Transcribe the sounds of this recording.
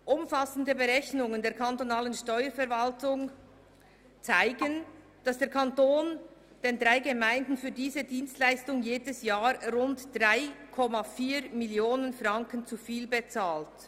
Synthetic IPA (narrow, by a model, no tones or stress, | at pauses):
ʔʊmfasn̩dəbəʁɛçnʊŋəndeːɐɾkʰantonaːlənʃtɔʏəɾfɛʁvaltʊŋ | t͡saɪɡən | d̥asd̥eːɐɾkʰantoːn | d̥eːndʁaɪɡəmaɪndn̩fyːɐdiːzədiːnstlaɪstʊŋjeːdəsjaːɾʊntd̥ʁaɪkʰɔmafiːɾmɪljoːnənfʁɑŋkənt͡sufiːlbet͡saːlt